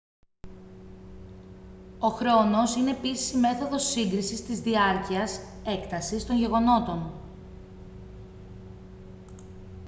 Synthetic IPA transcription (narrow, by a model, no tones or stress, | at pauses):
o̞xɾo̞no̞sine̞ːpisi̥sime̞θo̞ðo̞siŋɡɾisist̪izðiɐɾciɐs | e̞kt̪ɐsist̪o̞ɲʝe̞ɣo̞no̞t̪o̞n